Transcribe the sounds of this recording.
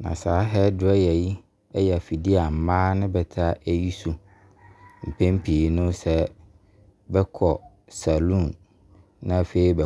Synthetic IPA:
nã̰˨saː˨˦ɦɛ˦dʊ˨˦ɛ˦jɛ˨ji˦ | ɛ˦jɛ˨a˨fi˨di˦a˨m̩˨mãː˦nʊ̃˦bɛ˨tʰa˦ʔæ˦ji˦su˨ | m̩˨pʰẽ˦m̩˦pʰi˨nʊ̃˦sɛ˦ | bɛ˦kʰɔ˨ | sa˨lũ˦˨n | nã˨fe˨i˦bɛ˨

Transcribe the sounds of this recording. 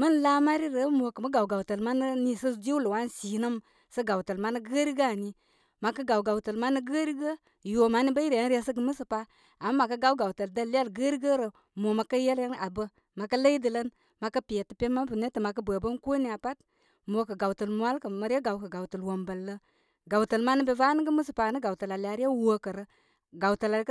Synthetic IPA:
mə˦n˨la˦ma˦ɾi˦ɾə˨˦mo˨kə˨mə˦ɡa˨wɡa˨wtə˨lma˦nə˦ni˦sə˦d͡ʒi˦lə˨wa˦n˦si˨nə˦m | sə˦ɡa˨wtə˨lma˦nə˦ɡə˦ɾi˦ɡa˨ni˨ | ma˨kə˦ɡa˨wɡa˨wtə˨lma˦nə˦ɡə˦ɾi˦ɡə˦ | jo˨ma˨˦ni˦bə˦i˦ɾe˨˦ɾe˦sə˦ɡə˨mə˦sə˨pa˦ | a˨ma˦ma˨kə˦ɡa˨˦wɡa˨wtə˨ldə˦lːi˦a˦lɡə˦ɾi˦ɡə˦ɾə˨ | mo˨ma˨kə˦je˦lə˦na˨bə˦ | ma˨kə˦lə˦i˦də˨lə˦n | ma˨kə˦pi˨je˨tə˨pe˦ma˦bə˨ne˦tə˨ma˨kə˦bə˨bə˦nko˦ni˦˨a˨pa˦t | mo˨kə˨ɡa˨wtə˨lmu˦a˦lkə˨ma˨ɾi˦a˦ɡa˨wkə˨ɡa˨wtə˨lwo˨mbə˨lːə˦ | ɡa˨wtə˨lma˦nə˦be˦˨va˦nə˦ɡə˦mə˦s̬ə˨pa˨nə˦ɡa˨wtə˨la˨li˨a˨ɾi˦ja˦wə˦kə˨ɾə˦ | ɡa˨wtə˨la˨˦k

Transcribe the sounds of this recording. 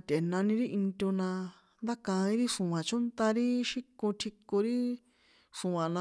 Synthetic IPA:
t̪ʲe˨nã˧nĩ˧ɾi˦ʔi˧nt̪ʲo˧nã˧ | nd̪a˦kã˧ĩ˦ɾi˦ʂũ˨ã˨t͡ʃũ˦nt̪a˧ɾi˦ʃi˦kũ˧t̪ʰi˧ko˧ɾi˦ | ʂũ˨ã˨nã˧

